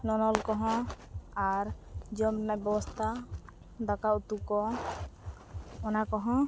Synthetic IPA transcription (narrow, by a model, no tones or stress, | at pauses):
nɔnɔlkɔɦɔ̃ | aɾd͡ʒɔmnabɛbɔst̪ʰa | d̪akaut̪ukɔ | ɔnakɔɦɔ̃